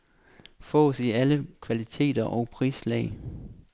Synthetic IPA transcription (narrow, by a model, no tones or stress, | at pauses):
fɔ̰̽ːsiæləkʰʋælit͡sʰe̝̰ːd̥ɐʔɒʊpʰʁḭːslɛ̰ɪ